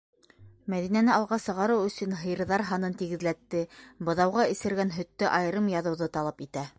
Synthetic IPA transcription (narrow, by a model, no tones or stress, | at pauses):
mæðinænɘɑlˠʁɑsɤ̆ʁɑɾɤwɵ̆sɵ̆nɦɤ̆j̆ɾðɑɾɦɑnɤnt̪iɡɘ̆ðlæt̪ːɘbɤ̆ðɑwʁɑĭsɘ̆ɾɡænɦɵ̆t̪ːɘʔɑjɤ̆ɾɤmjɑðɤ̆wðɤt̪ɑlˠɑpit̪æ